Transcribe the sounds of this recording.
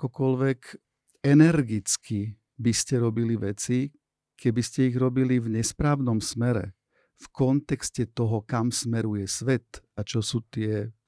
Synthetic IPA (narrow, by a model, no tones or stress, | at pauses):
akɔkɔlʋɛk | ɛnɛɾɡit͡ski | biscɛɾɔbiliʋɛt͡si | kʰɛbiscɛiɣɾɔbilivɲɛspɾaːʊnɔmsmɛɾɛ̰ | fkɔnt̪ɛkscɛt̪ɔɦɔkamsmɛɾujɛsʋɛt̪ | at͡ʃɔsuːt̪ɪɛ